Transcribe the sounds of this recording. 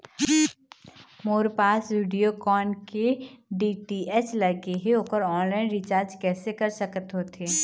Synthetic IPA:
moːɾpaːsʋiːɖijokɔːnkeɖiːʈiɛslɐɡeɦeoːpəɾɔːnlaːɪnɾɪt͡ʃaːɾd͡ʒkɛːsekɐɾsəkət̪ɦoːt̪ʰeː

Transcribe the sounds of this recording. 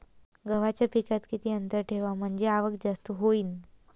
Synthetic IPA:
ɡəʋat͡ɕjapikat̪kit̪iːənt̪əɾʈʰeʋam̤əɳd͡zeaʋəkd͡zast̪uɦoiːn

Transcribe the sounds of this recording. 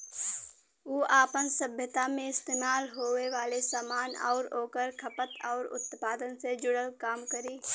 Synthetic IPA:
uːʔaːpənsəbʱjət̪amẽɪst̪eːmaːlɦoːweʋaːlesaːmaːnɔ̰ːɾoːkəɾkʰəpət̪ʰɔːɾʊ̰t̪paːd̪ənsed͡ʒʊɽəlkaːmkəɾiː

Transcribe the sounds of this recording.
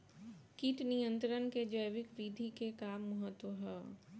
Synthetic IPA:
kiʈnijə̃nt̪ɾənked͡ʒəjʋɪkʋid̪ʱikekaːmːɐɦət̪wəɦɛː

